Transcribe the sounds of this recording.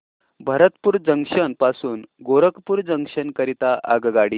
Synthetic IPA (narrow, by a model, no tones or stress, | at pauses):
bʱəɾət̪puːɾd͡zəŋʂənpasuːnɡoɾəkpuːɾd͡zəŋʂənkəɾit̪aʔa̰ɡɡaɽiː